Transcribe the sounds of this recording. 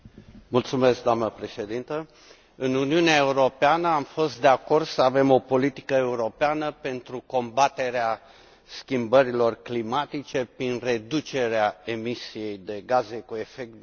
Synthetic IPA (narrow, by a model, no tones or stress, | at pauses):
mult̪sume̞sk̚d̪oamnəpɾe̞ʃe̞d̪int̪ə | ɨnuniuneae̞uɾo̞peanəamfo̞st̪̚d̪e̞ako̞rd̪səave̞mo̞po̞lit̪i̥kəe̞uɾo̞peanəpe̞nt̪ɾuko̞mbat̪e̞ɾea | skʲimbəɾilo̞rklimat̪it͡ʃe̞pɾinre̞d̪ut͡ʃe̞ɾeae̞misije̞jd̪e̞ɡaze̞kue̞fe̞k̚t̪